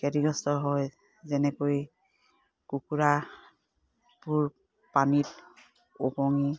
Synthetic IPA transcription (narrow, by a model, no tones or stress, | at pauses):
kɛɹiɡɔstɔɦɔj | zɛnɛkoj | kukuɹa | puɹ | panil | opɔŋi